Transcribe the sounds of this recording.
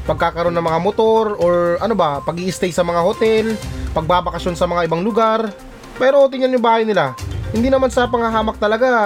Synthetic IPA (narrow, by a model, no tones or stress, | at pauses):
pɐɡ̚kaːkɐɾo̞nːɐŋmɐŋamot̪o̞ɾoɾʔɐnobɐpɐɡʔiʔɪst̪ɛjsɐmɐŋahot̪ɛlpɐɡ̚baːbɐkɐʃjo̞nsɐmɐŋaʔɪbaŋlʊɡaɾ | pɛɾoot̪ɪŋɐnjʊŋbaːhɐjnɪlahɪnd̪iːnɐmansɐpɐŋɐɦaːmɐk̚t̪ɐlɐɡa